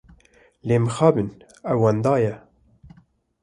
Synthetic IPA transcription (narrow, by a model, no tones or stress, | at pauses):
leːmɨxɑːbɨn | ɛwwːɑnd̪ɑːjɛ